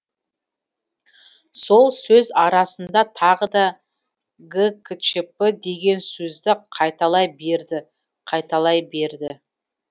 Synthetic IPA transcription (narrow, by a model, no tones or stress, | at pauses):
so̞lˠsɵzɑɾɑsənd̪ɑt̪ʰɑʁəd̪ɑ | ɡəkt͡ʃəpəd̪e̞ɡʲe̞nsɵzd̪ɪqʰɑjt̪ɑlˠɑjbe̞ɾd̪ɪ | qʰɑjt̪ɑlˠɑjbe̞ɾd̪ɪ